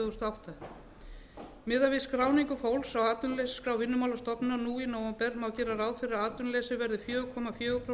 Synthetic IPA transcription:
ɣʏst̪awht̪a | mɪːðavɪskɾaːwniŋkʏfowlsawaːt̪ʏnlesskɾawvɪnːʏmaːwlast̪ɔpnɪnanuːinowampɛɾmawcɛːɾaɾaːwðfɪɾɪɾðaːt̪ʏnlɛsɪvɛɾðɪfjœːɣʏkʰɔmafjœːɣʏpʰɾo

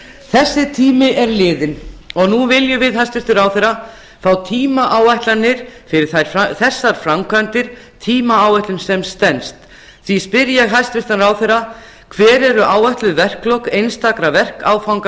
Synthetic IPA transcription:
θɛsːɪt̪ʰiːmɪʔɛɾlɪːðɪnɔɣnuvɪljʏvɪðɦajst̪ɾɪft̪ʏɾaːwθɛra | fawt̪ʰiːmaʔaːwajht̪lanːɪɾ̥fɪɾɪɾ̥θaɾ̥faθɛsːaɾ̥fɾamkʰœnt̪ɪɾ̥ | t̪ʰiːmaaːwajht̪lʏmsɛmst̪ɛnst̪ | θvispɪɾjaɦajst̪ɾɪft̪anɾaːwθɛra | kʰvɛːɾɛɾʏʔaːwajht̪lʏvɛr̥klowkejnst̪akɾavɛr̥kaːwfawŋka

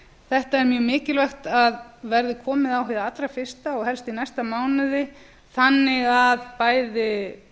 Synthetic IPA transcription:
θɛht̪aɛɾmjœːmɪːcɪlvɛxt̪aðvɛɾðɪkʰɔːmɪðaːwɦɪðaat̪lɾafɪr̥st̪aɔɣhɛlst̪inajst̪amaːwnʏðɪ | θanːɪɣaðpaːjðɪ

